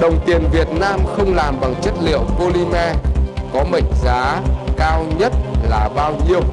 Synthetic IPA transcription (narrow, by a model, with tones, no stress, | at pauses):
ɗə˨˩wŋ͡mt̪i˨˩ənvi˨˩ət̚naː˧mxə˧wŋ͡mlaː˨˩mɓa˨˩ŋt͡ɕə˦˥t̚lḭ˧˨əwpo˧li˧mɛ˧kɔ˨˦mə̰˧˨ŋ̟zaː˨˦kaː˧wɲə˦˥t̚laː˨˩ɓaː˧wɲi˧əw